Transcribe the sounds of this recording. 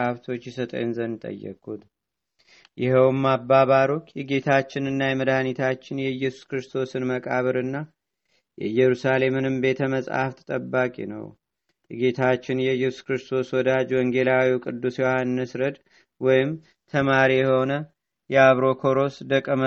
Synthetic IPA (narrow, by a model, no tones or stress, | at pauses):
aβt̪ʰo̞t͡ʃːjisət̪ʼə̰jnzənt̪ʼə̰jːɛ̰kʼːut̪ | jɪhɛwmːabːaβaɾo̞t͡ʃːjɛɡe̞t̪ʰat͡ʃːɪnɨnːajɛməd̪anit̪ʰat͡ʃːɪnjɛjːɛsu̥skɾɨst̪ʰo̞sɨnməkʼaβəɾɨnːa | jɛ̰jɛɾusale̞mɨnɨmbe̞t̪ʰəməsʼa̰ft̪ʰt̪ʼəbːakʼḭnə̰w | jɛɡe̞t̪ʰat͡ʃːɪnjɛjːɛsu̥skɾɨst̪ʰo̞swɔd̪ad͡ʒwɔŋɡe̞lawiwkʼɨd̪ːusjɛwohanːəsɾəd̪ | wɔjɪm | t̪ʰəmaɾijɛho̞nə | jɛaβɾo̞kʰo̞ɾo̞sd̪əkʼːəmə